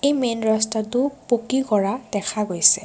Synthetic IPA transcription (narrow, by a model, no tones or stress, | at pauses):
ejmenɹɔstatupokikɔɹadɛkʰaɡojsɛ